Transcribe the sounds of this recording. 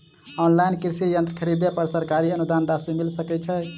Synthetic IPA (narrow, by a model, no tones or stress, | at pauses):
ɔnlainkiɾsijənt̪ɾəkʰəɾid̪epəɾsəɾkaɾiənud̪anɾasimilsəkɛt͡ʃʰɛ